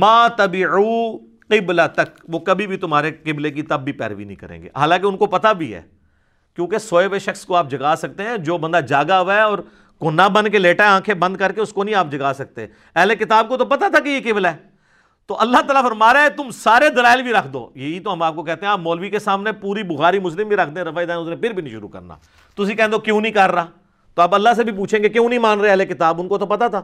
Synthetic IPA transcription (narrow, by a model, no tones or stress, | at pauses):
maːt̪ɐbɪʕuː | qɪblat̪ɐkʋoːkɐbʱibʱit̪ʊmɦaːɾeqɪblek̬it̪ɐbːipɛ̰ːɾʋḭnɐɦĩkɐ̰ɾḛ̃ːŋɡḛːɦa̰ːlãːk̬eʊnkopɐt̪abʱiɦɛ̰ː | kjõːkesoːeʋeʃɐxskoaːp̚d͡ʒɐɡaːsɐk̚t̪eɦɛ̃d͡ʒoːbɐ̃nd̪ad͡ʒaːɡaʋɛɔːɾ | konabɐ̃nkeleːʈaãːkʰebɐ̃nd̪kɐɾkeʊskonɐɦĩaːp̚d͡ʒɐɡaːsɐk̚t̪eɦɛ̰̃ | ɛɦlekɪt̪aːb̚kot̪opɐt̪at̪ʰakejekeːbəlɛː | t̪oːʔɐlːaɦt̪aːlafɐɾmaːɾet̪ʊmsaːɾed̪ɐlaːɪlbʱiɾɐkʰd̪o̰ːjeɦit̪oɦɐmaːp̚kokɛɦt̪eɦɛ̃aːpmɔːlʋikesaːmnepuːɾibʊxaːɾimʊslɪmbʱiɾɐkʰd̪ẽɛ̃ːɾɐfaːid̪aːʊsnẽpʰɪɾbʱiːnə̃ĩʃʊ̰ɾṵkə̰ɾna̰ː | t̪ʊsĩkɛɦɛ̃nd̪oːkjũːnəĩkɐɾːaː | t̪oːɐbɐlːas̬ebʱipuːt͡ʃʰẽːɡekjũːnəĩmaːnɾeeɛɦlekɪt̪aːbʊnkot̪opɐt̪at̪ʰaː